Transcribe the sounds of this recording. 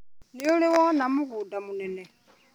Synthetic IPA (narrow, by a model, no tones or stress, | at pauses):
nioliwanamuɣudamunene